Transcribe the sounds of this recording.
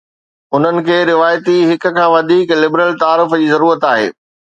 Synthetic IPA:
ʊn̤ənɪ̆kʰeːɾɪʋaːjt̪iɦɪkʊ̆kʰãːʋɐd̪ʱiːklɪbɾəlt̪aːɾɪfd͡ʑiːzɐɾuːɾət̪aːɦḛː

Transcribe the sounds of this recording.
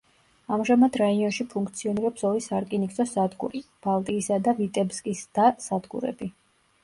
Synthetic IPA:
amʒamad̪ɾaiɔnʃipʰuŋkʰʼt̪sʰiɔniɾɛpsɔlisaɾkʼinikʼsʰʼɔsad̪ɡṵɾib̥alˠt̪ʼiːsad̪avit̪ʼɛbskʼisd̪̥asad̪ɡṵɾɛ̰bi

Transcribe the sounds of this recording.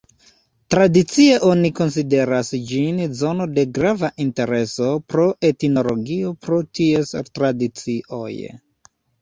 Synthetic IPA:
tɾadit͡sie̞ʔo̞niko̞ns̬ide̞ɾasd͡ʒinzo̞no̞de̞ɡɾavaʔinte̞ɾe̞so̞pɾo̞ʔe̞tino̞lo̞ɡio̞pɾotie̞stɾadit͡siʔo̞̰j

